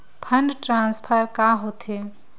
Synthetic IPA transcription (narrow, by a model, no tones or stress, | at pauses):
pʰəɳɖʈɾãːnspʰəɾkaːɦoːt̪ʰe